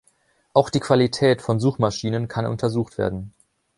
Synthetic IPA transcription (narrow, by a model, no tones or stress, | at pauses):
ʔaʊxd̥iːkv̥alitʰɛːtfɔnzuːxmaʃiːnənkʰanʔʊ̰ntʰɐzuːxtv̥ḛːɐdn̩